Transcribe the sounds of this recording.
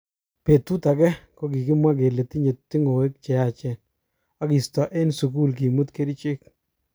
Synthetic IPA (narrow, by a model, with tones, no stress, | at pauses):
pe˨tu˦ta˨kɛ˦ko˦ki˨kɪ˦mwa˦k̬e˨le˨ti˦ɲe˨tːi˦ŋo˨we˦k̚t͡ʃɛ˨a˨t͡ʃɛ˦˨n | a˦ki˨stɔ˨ʔe˦nsu˨ku˦˨lk̬i˨mu˦tke˦ɾi˦t͡ʃe˦k̚